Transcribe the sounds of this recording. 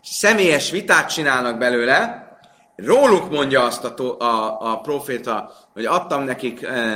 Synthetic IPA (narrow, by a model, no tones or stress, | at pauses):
sɛmeːjɛʃʋit̪aːt̪̚t͡ʃinaːlnɒɡ̚bɛløːlɛ | roːlukmo̞ɲɟɒːst̪ɒt̪oːʔɒːproːfeːt̪ɒ | ho̞ɟɒt̪ːɒmnɛkik